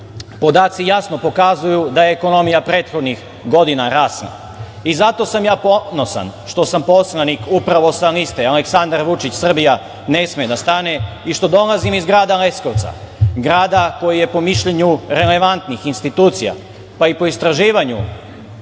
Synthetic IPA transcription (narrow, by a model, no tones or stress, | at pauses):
po̞d̪aːt̪sijasno̞po̞kazujud̪aje̞ːko̞no̞mijapɾe̞ːt̪xo̞d̪nix | ɡo̞d̪inaɾaːsla̰ | izat̪o̞samjaːpo̞no̞sa̰nʃt̪o̞sampo̞slanikupɾaʋo̞salist̪eale̞ksand̪aɾʋut͡ʃit͡ɕsr̩bija | ne̞smied̪ast̪ane̞ | iʃt̪o̞d̪o̞lˠazimizɡɾaːd̪ale̞sko̞ʋt̪sa̰ | ɡɾaːd̪ako̞jije̞po̞miʃʎeɲuɾe̞le̞ʋant̪nixinst̪it̪uːt̪sija̰ | paipo̞ist̪ɾaʒiːʋaɲṵ